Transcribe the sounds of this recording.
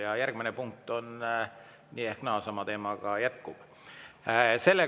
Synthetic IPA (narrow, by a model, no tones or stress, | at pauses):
jɑjærɡ̥minepuŋk̚t̪o̞n | niːehknɑːsɑmɑt̪e̞ːmɑɡ̥ɑjæt̪kub̥ | se̞lːe